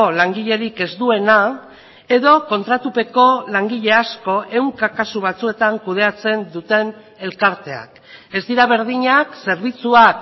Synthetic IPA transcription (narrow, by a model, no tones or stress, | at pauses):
olaŋɡiʎe̞ɾike̞zd̪ue̞na | e̞ðo̞ko̞nt̪ɾat̪upe̞ko̞laŋɡiʎe̞asko̞ʔe̞wŋkakasuβ̞at͡sue̞t̪aŋkuð̞e̞at͡se̞nd̪ut̪e̞n | e̞lkaɾt̪e̞a̰k | e̞zd̪iɾaβ̞e̞ɾð̞iɲakse̞ɾβ̞it͡suak